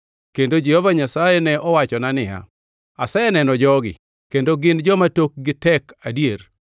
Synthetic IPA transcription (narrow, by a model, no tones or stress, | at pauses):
kendod͡ʒɪhovaɲasajɛnɛʔɔwat͡ʃɔnanɪa̰ | asajɛnɛnɔd͡ʒɔɡɪ̰ | kendoɡɪnd͡ʒɔmatok̚ɡɪtɛkadjer